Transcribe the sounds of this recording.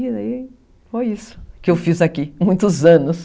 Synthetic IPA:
ai | fojisʊ̥kɪewfizakimũj̃t̪ʊzɐ̃nʊs

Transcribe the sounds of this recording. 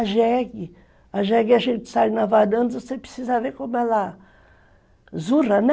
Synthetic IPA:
aʒɛɡɪ | aʒɛɡɪaʒẽnt͡ʃɪ̥saj̃nɐvanɐ̃nd̪ɐvosepɾe̥sizɐvekõmʊɛlɐ | zuɾɐnɛ

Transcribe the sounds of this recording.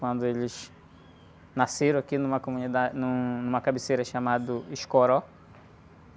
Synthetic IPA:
wɐ̃nd̪ʊelɪs | naseɾɐ̃akinũmɐkomũnid̪anũnũmɐkabeseɾɐʃamad̪ʊiʃkoɾɔ

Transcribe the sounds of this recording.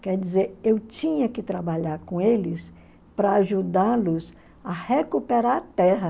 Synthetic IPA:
kɛɾd͡ʒizeɾewt͡ʃĩɲɐkɪt̪ɾabaʎaɾkõelɪs | pɾɐaʒud̪alʊs | ɐhekupeɾaɾt̪ɛɦɐ

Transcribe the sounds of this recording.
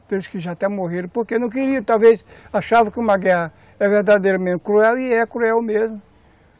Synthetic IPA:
d̪elɪskɪʒat̪ɛ̃moɦeɾɐ̃poɾkenɐ̃w̃keɾiɐt̪awvesaʃavɐkɪũmɐɡɛhɐ | ɛveɾd̪ad̪ejɾɐmẽnt̪ɪ̥kɾuɛwɪɛkɾuɛwmezmʊ

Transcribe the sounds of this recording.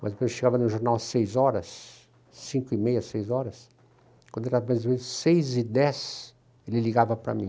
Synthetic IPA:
mɐzk̪eʃeɡavɐnʊʒoɾnawsejzɔɾɐ̰sː | ĩkʊɪmejɐsejzɔɾɐs | kwɐ̃d̪eɾavɐmẽzvẽʊsejzɪd̪ɛs | elɪliɡavɐpɾɐ̰mĩ

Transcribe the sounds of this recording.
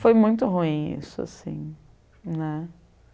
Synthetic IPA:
fojmũj̃t̪ʊɦuĩḭsʊa̰sḭ̃ | nɛ

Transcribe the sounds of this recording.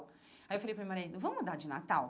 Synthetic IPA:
ajewfalejpɾɐmimaɾeĩd̪ʊvɐ̃mmud̪aɾd͡ʒɪna̰t̪aw

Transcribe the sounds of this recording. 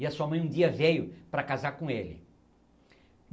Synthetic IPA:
iɐsuɐmɐ̃j̃ũd̪d͡ʒiɐvejʊpɾɐkazaɾkõelɪ̰

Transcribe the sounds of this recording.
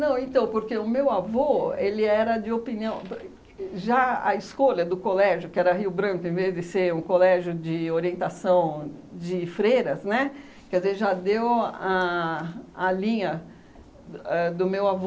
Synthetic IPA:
nɐ̃w̃ẽt̪ɐ̃w̃poɾkeʊmewavoelɪɛɾɐd͡ʒɪopiniɐ̃w̃ | ʒaɐ̰ɪskolɐd̪ʊkolɛʒjʊkɪɛɾɐɦiwbɾɐ̃kʊẽvezd͡ʒɪseɾũkolɛʒjʊd͡ʒɪoɾiẽnt̪asɐ̃w̃d͡ʒɪfɾejɾɐsnɛ | kɪɛdzezʒad̪ewa | ɐlĩɲɐ | ɛd̪ʊmewavo

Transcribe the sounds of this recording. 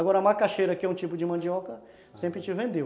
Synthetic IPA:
aɡɔɾɐmakaʃejɾɐkɪɛũt͡ʃipʊd͡ʒɪmɐ̃d͡ʒiɔkɐ | sẽmpɾɪt͡ʃɪvẽnd̪e

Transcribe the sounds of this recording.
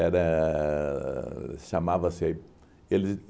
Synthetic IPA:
ɛɾɐ | ʃamavɐse | elɪ

